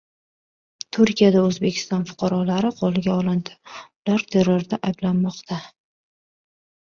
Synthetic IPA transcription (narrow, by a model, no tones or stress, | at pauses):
t̪ʰʊɾkʲʰijad̪aɵzbe̞kʲʰɪ̥st̪ɒnfʊ̥qʰɑɾɒlaɾɪqʰolˠɪɡʲaɒlˠɪnd̪ɪ̥ʊlaɾt̪ʰe̞ɾːoɾd̪aʔajblanmɒqt̪ʰa